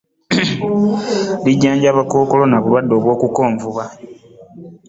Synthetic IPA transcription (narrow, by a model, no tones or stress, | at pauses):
liɟːaːɲɟaːβako̞ːko̞lo̞naβulwadːo̞ːβwo̞ːkuko̞ːɱvuβa